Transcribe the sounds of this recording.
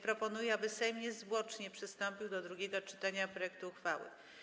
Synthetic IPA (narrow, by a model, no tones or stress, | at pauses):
pɾɔpɔnujɛabɘsɛjmɲɛzvwɔt͡ʂɲɛpʂɘst̪ɔmpʲiwd̪ɔd̪ɾuɡʲɛɡɔt͡ʂɘ̥t̪aɲapɾɔjɛk̚t̪uːxfawɘ̰